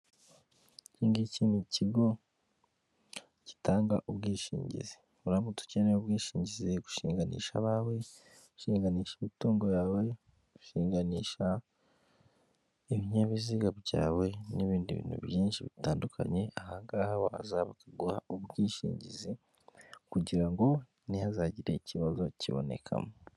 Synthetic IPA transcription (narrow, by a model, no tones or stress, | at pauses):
ciːŋɡiciːniciɡo̞ | ci̥taːŋɡa̰ʔuβɡiːʃḭːɲɟḭze̥ | uɾamutu̥ceneuβɡiːʃiːɲɟizeku̥ʃiːŋɡanḭːʃa̰βawe̞ | ʃiːŋɡaniːʃiβituːŋɡo̞jaːwe̞ | ku̥ʃiːŋɡaniːʃa | iβiɲaβiziɡaβɟaːwe̞niβiːndiβḭːnhṵβjiːnʃiβitaːndukʰa̰ɲe̞ahaŋɡaːhahoa̰zaβakaɡuhauβɡiːʃḭːɲɟizi | kuɟiɾaŋɡo̞ | nihazaːɟiɾe̞iciβazo̞ciβo̰ne̞̰kʰa̰mo